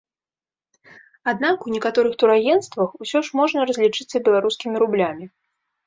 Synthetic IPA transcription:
ad̪nakunʲɛkat̪ɔɾɨxt̪uɾajɛnst̪vɐxusʲɔʂmɔʐnɐɾɐzʲlʲit͡ʂɨt̪sːɐbʲɛlˠaɾuskʲimʲiɾublʲamʲi

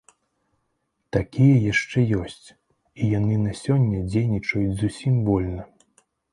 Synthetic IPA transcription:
t̪akʲijɐjaʂt͡ʂɛjɔsʲt͡sʲ | ijanɨnɐsʲɔnʲːɐd͡zʲejnʲit͡ʂɐjud͡zʲzusʲimvɔlʲnɐ

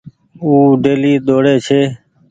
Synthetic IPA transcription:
uːɖeːliːɗ̪oːɽeːt͡ʃʰeː

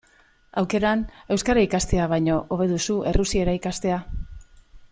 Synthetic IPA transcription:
awke̞ɾane̞wskaɾaikast̪e̞aβ̞ajɲo̞ʔoβe̞ðusuʔe̞rusieɾaikast̪e̞a

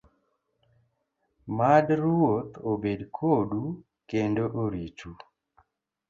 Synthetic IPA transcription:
madɾwot̪obedkʰodu | kendoʔoɾit͡ʃu

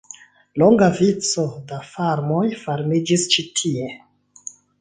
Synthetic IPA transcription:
lo̞ŋɡavit͡so̞dafaɾmo̞jfaɾmid͡ʒist͡ʃitʰie̞

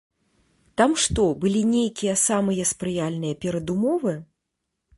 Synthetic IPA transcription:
t̪amʂt̪ɔbɨlʲinʲejkʲijɐsamɨjɐspɾɨjalʲnɨjɐpʲɛɾɐd̪umɔvɨ

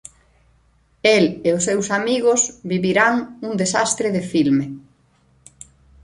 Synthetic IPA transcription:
eleʊsewsamiɣʊsβiβiɾaŋuŋd̪esast̪ɾɪðɪfilme

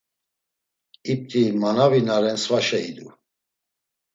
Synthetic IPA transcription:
ip̚t̪ʼimanavinaɾɛnsvaʃɛid̪u

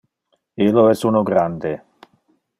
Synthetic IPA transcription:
iloɛsunoɡɾand̪e

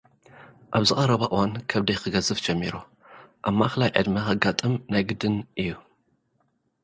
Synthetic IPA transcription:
ʔaβzɨxʼɐɾɐβaʔɨwankʰɐβd̪ɐjxɨɡɐzɨfd͡ʒɛmːiɾu | ʔamːaxɨlajʕɨ̰d̪mɐxɐɡat̪ʼɨmnajɡɨd̪ɨnʔɨjːu

